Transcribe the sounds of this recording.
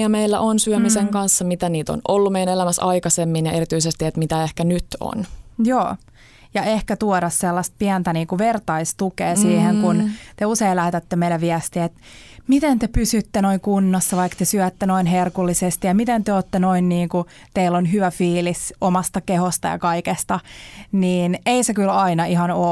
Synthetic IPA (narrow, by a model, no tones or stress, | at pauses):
jɑmeilːæ̰ʔonsyømiseŋkɑnsːɑmit̪æniːt̪o̰nolːumejænelæmæsɑikɑsemːinjɑʔeɾit̪yisest̪iet̪mit̪æehkænyt̪o̰njoː | jɑʔehkæt̪uoɾɑsselːɑst̪̚piænt̪æniːŋkuʋert̪ɑist̪ukeːsiːheŋkunt̪euseilæht̪æt̪ːemeilæʋiæst̪iet̪ | mit̪ent̪epysyt̪ːenoiŋkunːɑsːɑʋɑikt̪esyæt̪ːenoinɦerkulːisest̪ijɑmit̪ent̪eøoːt̪ːenoinniːŋku | t̪eilːonɦyʋæfiːlisomɑst̪ɑkehost̪ɑ̰jɑ̰kɑikest̪ɑniːneisekylɑinɑihɑnoː